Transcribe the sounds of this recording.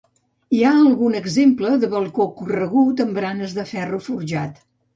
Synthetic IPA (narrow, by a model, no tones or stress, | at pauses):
iaəlˠɣunəɡzempləðəβəlˠkokurəɣut̪əmbɾanəzðəfɛrufuɾʒat̪